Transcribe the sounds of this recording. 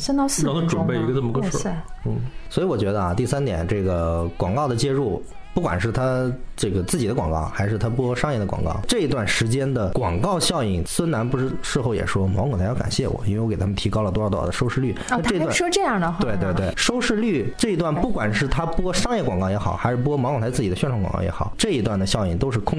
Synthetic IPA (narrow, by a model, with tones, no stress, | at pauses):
sɛ˥t̪ɑ˥˧s̩˥˧˥ʈ͡ʂwə˨˧˩pe˥˩ɪi˧˥ɡə˧nə˥˩mə˩˧kə˥ʂə˥˩n̩˥˩swɔ˧˥i˧˥wɔ˨˩t͡ɕɥɛ˧˥d̪ə˧a̰˧t̪i˥˩sa˥nt̪jɛ̰˨˩nʈ͡ʂɤ˥˩ɡə˩kwɑ˨˩ŋkɑ˥˩ʊd̪ə˩t͡ɕjɛ˥ɻu˥˩ | pu˥˩kwa˨˩nʂɻ̩˥˩t̪ʰa˥ʈ͡ʂɤ˥˩ɡə˩t͡sɹ̩˥˩t͡ɕi˨˩d̪ə˦kwɑ˨˩ŋkɑ̰˥˩ʊxa˧˥ɪʂɻ̩˥˩t̪ʰa˥p̬wɔ˥ʂɑ˥ŋjɛ˥˩d̪ə˩kw̰ɑ̰˨˩ŋkɑ̰˥˧ʊʈ͡ʂɤ˥˩i˧t̪wa˥˩nʂɻ̩˧˥t͡ɕjɛ˥nd̪ə˨kwɑ˨˩ŋkɑ˥˧ʊɕjɑ˥˧ʊi˨˩ŋswə˥na˧˥npu˧˥ʂɻ̩˥˧ʂɻ̩˥˧xo˥˩ʊjɛ̰˨˩ʂwɔ˥mɑ̰˧˥kŋt̪ʰjka̰˨˩nɕjɛ˥˩wɔ̰˨˩˦i˥wwɔ˧˥e˨˩a˥mə˨nt̪ʰi˧˥kɑ˥ʊlə˨˩wɔ˞˥˩t̪w̰d̪ə˧ʂo˥ʊʂɻ̩˥˧ly˥˩a˥˧ʈ͡ʂɤ˥˧˥wa˥˩ʂɔ˥ʈ͡ʂɤ˥˧jɑ˥˩ə˩t̪we˥˧ɪt̪we˥˧ɪt̪we˥˩ɪʂo˥ʊʂɻ̩˥˧ly˥˩ʈ͡ʂɤ˥˩i˧˥t̪wa˥˩npu˥˩kwa˨˩nʂɻ̩˥˩t̪ʰa˥pwɔ˥ʂɑ˥ŋjɛ˥˩kwɑ˨˩ŋkɑ˥˩ʊjɛ˧˥xɑ˨˩˦ʊxa˧˥ɪʂɻ̩˥˩pu˧˥kɔ˥mɑ˧˥kʰt͡sʰa˥t͡sɹ̩˥˩t͡ɕi˨˩də˦ɕɥɛ˥˧nʈ͡ʂʰɑ˧˥ŋkɑ̰˨˩ŋkɑ̰˥˩jɛ̰˧˥xɑ˨˩˦ʊʈ͡ʂɤ˥˩i˧˥t̪wa˥˩nd̪ə˩ɕjɑ˥˧ʊi˥˩ŋt̪o˥ʊʂ̬ɻ̩˥˩kʰʊ˥ŋ